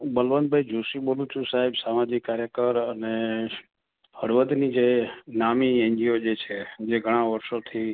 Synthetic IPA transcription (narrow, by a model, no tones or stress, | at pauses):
bəlʋənd̪̚bʱajd͡ʒʱuʃibolũt͡ʃʰũsaɦibsamad͡ʒikːaɾjəkəɾəne | həɽʋəd̪nid͡ʒenamieɲd͡ʒiod͡ʒet͡ʃʰed͡ʒeɡʱəɽ̃aʋəɾʃot̪ʰi